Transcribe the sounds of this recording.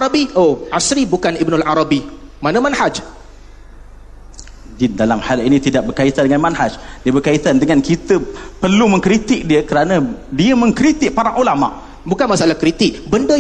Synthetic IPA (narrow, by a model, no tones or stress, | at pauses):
aɾabioʔasɾibukanibnulʔaɾabi | manəmanhad͡ʒ | dindalamhalinĩt̪idaʔ̚bərkait̪andəŋanmanhad͡ʒdiəbərkait̪andəŋankit̪əpərlumə̃ŋkɾit̪ɪk̚diəkəɾanadiəmə̃ŋkɾit̪ɪk̚paɾaŋʔulama̰ʔ | bukanmasaalahkɾit̪ɪk̚bəndə